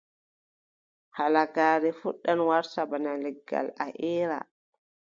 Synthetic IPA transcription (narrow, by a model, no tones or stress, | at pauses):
halaɡaːɾɛfuɗːanwaɾsabanalɛɡːa̰laʔɛːɾa̰